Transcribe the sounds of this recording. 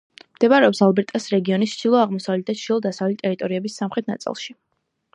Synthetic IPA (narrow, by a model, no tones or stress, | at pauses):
md̪̥ɛbaɾɛɔpsalˠbɛɾt̪ʼasɾɛɡiɔnist͡ʃd̪̥ilˠɔaʁmɔsavlɛd̪at͡ʃ̪ʰilˠɔd̪asavlit̪ʼɛɾit̪ʼɔɾiɛbisːamχɾɛt̪̚ʰna̰t̪sʼḭlˠʃi